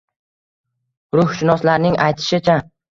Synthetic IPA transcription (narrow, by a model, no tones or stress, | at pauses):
ɾʊhʃɪnɒslaɾnɪŋajt̪ʰɪ̥ʃɪt͡ʃʰa